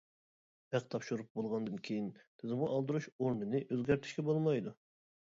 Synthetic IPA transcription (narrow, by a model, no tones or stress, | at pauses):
ɛqt̪ʰɑpʃuɾup̚bolˠʁɑnd̪ɨnkʲʰejint̪ʰɪzɨmʊʔɑlˠd̪ɨɾuʃoɾnɨnɨʔøzɡʲæɾt̪ʰɪ̥ʃkʲɛbolˠmɑjd̪u